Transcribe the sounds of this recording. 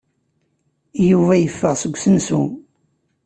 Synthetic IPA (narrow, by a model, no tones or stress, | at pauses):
juvæjəfːəʁsəɡʷsənsum